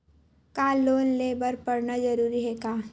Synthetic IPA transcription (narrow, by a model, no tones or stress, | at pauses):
kaːloːnleːbəɾpɐɾnad͡ʒɐɾuːɾiɦɛkaː